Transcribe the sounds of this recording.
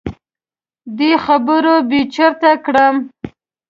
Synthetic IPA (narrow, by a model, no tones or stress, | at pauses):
d̪exabəɾobet͡ʃəɾt̪akɽəm